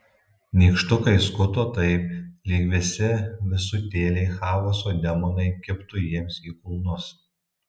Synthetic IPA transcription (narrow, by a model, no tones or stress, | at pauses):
nʲiːkʃt̪ʊkɐɪskʊt̪oːt̪ɐɪplʲiːkʋʲɛsʲɪʋʲɪsʊt̪ʲeːlʲɛɪxɑːʋosoːd̪ʲɛmonɐɪkʲɪpt̪ʊjiɛmsiːkʊlˠnʊs